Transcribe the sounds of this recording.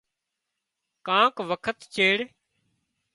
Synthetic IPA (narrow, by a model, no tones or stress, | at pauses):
kãːkʋəkʰət̪t͡ʃeːɽ